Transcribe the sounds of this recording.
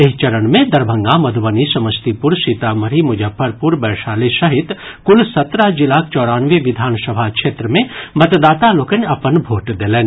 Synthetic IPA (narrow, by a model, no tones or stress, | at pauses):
eɦt͡ʃɐɾənmẽd̪ɐɾbʱə̃ŋɡamɐd̪ʱʋənisɐməst̪ipʊɾʃit̪amɐɾimʊd͡ʒəbʱːəɾpʊɾbɛːɾʃaːleʃɐɦɪt̪kʊlsɐt̪ɾaɦd͡ʒɪlaːk̚t͡ʃɔːɾaːnʋeʋɪd̪ʱaːnsɐbʱakʃeːt̪ɾəmẽmɐt̪d̪aːt̪aloːkənɐpənbʱoːʈd̪eːlẽːn